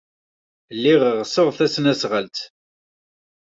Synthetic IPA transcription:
lːiʁəʁsoʁfθæsənæsʁəlt̪

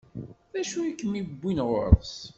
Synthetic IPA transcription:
ðæʃujikːəmibːinʁʊɾs

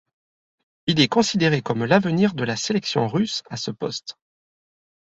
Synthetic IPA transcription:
ilɛkɔ̃sid̪eʁekɔmlavəniʁd̪əlaselɛksjɔ̰̃ʁysasəpɔst̪

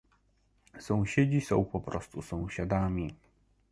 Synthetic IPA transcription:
sɔ̃w̃ɕed͡ʑisɔ̰̃w̃pɔpɾɔst̪usɔ̃w̃ɕad̪amʲi

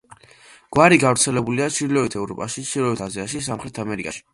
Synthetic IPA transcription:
ɡ̥waɾiɡavɾt̪sʰɛlɛbuliat͡ʃʰiɾlɔit̪ʰɛvɾɔpʼaʃit͡ʃʰilɔvit̪ʰaziaʃis̬amχɾɛt̪ʰamɛɾikʼa̰ʃi̥

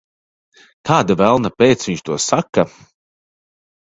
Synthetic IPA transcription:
t̪ʰaːd̪avælˠnapeːt̪sviɲt͡ʃt̪uɔsakːa

